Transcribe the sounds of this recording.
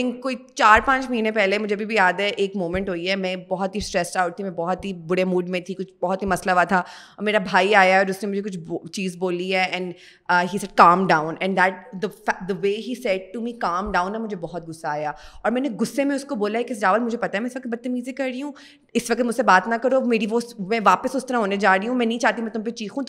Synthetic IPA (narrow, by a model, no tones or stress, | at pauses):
ɪ̃ŋkoːit͡ʃaːɾpãːt͡ʃmɐɦiːnẽpɛɦlemʊd͡ʒʱeɐbʱibʱijaːd̪ɦɛʔeːkmõːmɛ̃ɳʈɦoːiɦɛmɛ̃bɔɦɔt̪ɦisʈɾɛːsaːʊʈ̚t̪ʰimɛ̃bɔɦɔt̪ɦibʊɽemuːɖmẽt̪ʰikʊt͡ʃʰbɔɦɔt̪ɦimɐslaʋat̪ʰaɔːɾmeːɾabʱaːiaːjaɦɛɔːɾʊsnẽmʊd͡ʒʱekʊt͡ʃʰːt͡ʃiːzboːliɦɛːɛ̃ɳɖ | əːɦiːsɛɖ̚kãːmɖãːʊ̃nɛ̃nd̪ɛːʈ̚d̪əfd̪əʋeːɦiːsɛɖ̚ʈumikãːmɖãːʊ̃nːamʊd͡ʒʱebɔɦɔt̪̚ɡʊsːaaːjaɔːɾmɛ̃ːneɡʊsːemẽʊskoboːlaɦɛkiɪs̬d͡ʒaːʋəlmʊd͡ʒʱepɐt̪aɦɛmɛ̃ɪsʋɐk̚t̪̚bɐt̪ːemiːzekɐɾɾiɦũ | ɪsʋɐk̚t̪mʊd͡ʒsebaːt̪nakɐɾomeːɾiʋomɛ̃ːʋaːpəsʊst̪ɐɾaɦoːned͡ʒaːɾiɦũmɛ̃ːnɐɦĩt͡ʃaːɦt̪̬imɛ̃t̪ʊmpet͡ʃiːxũ